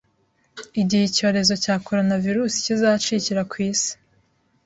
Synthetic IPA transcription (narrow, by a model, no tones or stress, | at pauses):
iɟihico̞ːɾe̞zo̞caːko̞ɾo̞naviɾuːsi̥cizat͡ʃiciɾakwiːsi̥